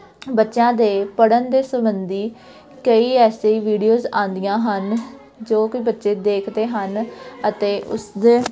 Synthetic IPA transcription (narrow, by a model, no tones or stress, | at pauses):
bətːʃãːd̪eːpəɽənd̪eːsəmbənd̪iː | kəiːɛːseiːʋiːɖijoːzãːnd̪ijãːɦən | d͡ʒoːkiːbətːʃeːd̪eːkʰd̪eːɦənət̪eːʔʊ̰sd̪eː